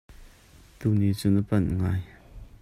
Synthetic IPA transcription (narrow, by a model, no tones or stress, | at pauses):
t̪unit͡sunəpanŋaj